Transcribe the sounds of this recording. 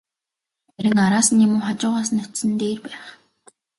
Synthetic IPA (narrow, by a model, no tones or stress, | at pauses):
æɾʲɪ̆ŋaɾaːsə̆njimʊːχat͡ɕʊːʁaːs̬ə̆nʊt̪sɘ̆nt̪eːrpæːχ